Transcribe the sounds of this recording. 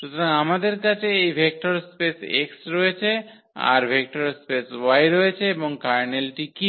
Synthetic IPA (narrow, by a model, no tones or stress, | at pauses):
ʃut̪ʰoɾaŋamad̪eɾkat͡ɕʰeejbʱek̚ʈoɾspesḛksɾojet͡ɕʰe | a̰ɾbʱek̚ʈoɾspeswajɾojet͡ɕʰeeboŋkaɾnelʈiki